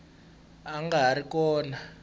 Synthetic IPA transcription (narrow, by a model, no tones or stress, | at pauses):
aŋɡaɾikɔːna